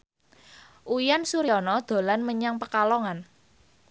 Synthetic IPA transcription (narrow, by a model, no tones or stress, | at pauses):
ʔujansuɾiɔnɔd̪̥o̤lanməɲaŋpəkalɔŋan